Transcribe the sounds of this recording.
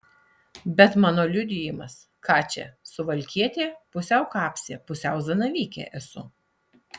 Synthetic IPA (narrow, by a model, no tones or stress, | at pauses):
bʲɛt̪mɑːnoːlʲʊd̪ʲɪjɪmɐs | kɑːt͡ʃʲɛ̰sʊʋɐlʲkʲiɛt̪ʲeːpʊsʲɛʊkɑːpʲsʲeːpʊsʲɛʊzɐnɐʋʲiːkʲḛːʔɛsʊ̰